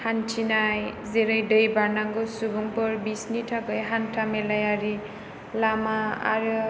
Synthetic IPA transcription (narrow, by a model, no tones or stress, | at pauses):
hantʰinajzeɾajdɯjbanaŋɡɯsubuŋpɯɾbisnitʰaɡɯjɦantʰamelajaɾi | lamaa̰ɾɯ